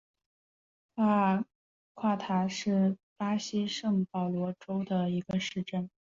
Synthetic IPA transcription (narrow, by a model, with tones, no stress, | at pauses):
a˥˩ | kʰwa˥˩t̪ʰa˧˥ʂɻ̩˥˩pa˥ɕi˥ʂɤ˥˩ŋpɑ˨˩ʊlwɔ˧˥ʈ͡ʂo˥ʊd̪ə˨i˧˥ɡə˧ʂɻ̩˥˧ʈ͡ʂə˥˩n